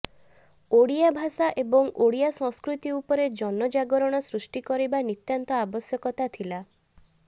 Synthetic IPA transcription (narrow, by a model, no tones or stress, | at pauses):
oɽijabʱasaʔebɔŋoɽijasɔ̃ŋskɾut̪iupɔɾed͡ʒɔnɔd͡ʒaɡɔɾɔɽ̃ɔsɾusʈikɔɾibanit̪jant̪ɔabɔsjɔkɔt̪at̪ʰila